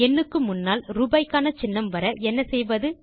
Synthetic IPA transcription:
ɛnːɯkːɯmʊnːaːlɾuːbɐɪkːaːnɐt͡ʃɪnːɐmʋɐɾɐʔɛnːɐsɛjʋɐðɯ

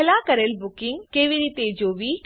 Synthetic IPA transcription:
laːkɐɾelbʊkɪ̃ŋɡkeːʋiɾiːt̪ed͡ʒoːʋiː

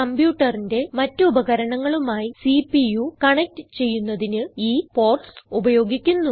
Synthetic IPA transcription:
ɐmbjuːʈːɐrinde̞mɐtːɨubɐɣɐɾɐɳɐŋːɐɭumaːjisipijukɐɳek̚tɨt͡ɕe̞jːunːɐðinɨiːpo̞ːrʈsubɐjo̞ːɡikʲːunːu

